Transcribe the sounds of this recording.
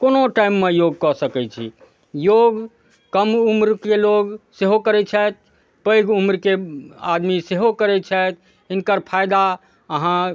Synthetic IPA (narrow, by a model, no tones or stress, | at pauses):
konoʈaimːejoɡ̚kɔsəkɛt͡ʃʰḭ | joɡ | kəmumɾkeloɡseɦokəɾɛt͡ʃʰɛt̪̚ | pəjɡumɾkea̰d̪miseɦokəɾɛt͡ʃʰɛt̪̚ʰ | ɪnkəɾpʰajd̪a | əɦã